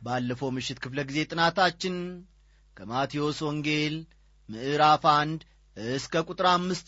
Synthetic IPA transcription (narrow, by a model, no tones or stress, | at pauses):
balːəfəwmɨʃːɪt̪kʰɨfləɡize̞t̪ʼɨnat̪ʰat͡ʃːɪn | kʰəmat̪ʰio̞swɔŋɡe̞l | mɨʔɨɾafand̪ | ʔɨskʰəkʼut̪ʼɾamːɨst̪